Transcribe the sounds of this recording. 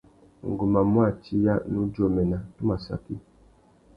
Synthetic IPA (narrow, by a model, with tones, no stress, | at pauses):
ŋ̩˨ɡu˨ma˨m˦a˦˨t͡ʃi˦ja˦nũ˦d͡ʒo˦mɛ˨na˨tu˦ma˨sa̰˨ki˦